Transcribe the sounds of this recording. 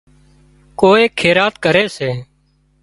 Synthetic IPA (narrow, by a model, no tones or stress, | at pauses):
koːeːkʰeːɾaːt̪kəɾeːseː